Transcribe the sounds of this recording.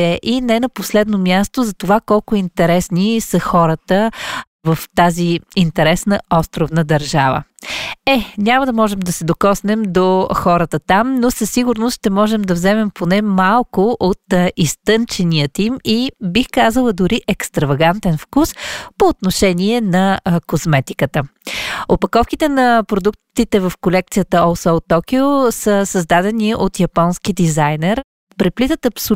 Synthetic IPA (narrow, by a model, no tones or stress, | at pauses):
ɛʔinɛnɐposlɛd̪nomʲjast̪ozɐt̪ovakɔlˠkʊint̪ɛɾɛsnisəxɔɾət̪ə | vəft̪aziint̪ɛɾɛsnəɔst̪ɾovnəd̪ɐɾʒavə̰ɛnʲaməd̪ɐmɔʒɛmd̪ɐsɛd̪okɔsnɛmd̪oxɔɾət̪ət̪amnosəsːiɡʊɾnosʃt̪ɛmɔʒɛmd̪ɐvzɛmɛmpʰonɛmalˠkoʔot̪ist̪ɤnt͡ʃɛnijət̪imibixkazəlˠəd̪ʊɾiʔɛkst̪ɾɐvɐɡant̪ɛnfkuspoːt̪noʃɛniɛnɐkozmɛt̪ikət̪əopɐkɔfkit̪ɛnɐpɾod̪uk̚t̪t̪it̪ɛvəfkolɛk̚t̪sijət̪əɔsɔot̪ːɔkiosəsəzd̪ad̪ɛniot̪jɐpɔnskid̪izajnɛɾ | pɾɛplit̪ət̪ɐpso